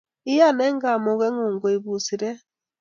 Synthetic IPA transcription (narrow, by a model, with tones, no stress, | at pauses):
i˦ja˦˨nɛ˦ŋɡa˨mo˨ɣɛ˦ŋo˨ŋɡo˨i˨βu˨si˨ɾɛ˦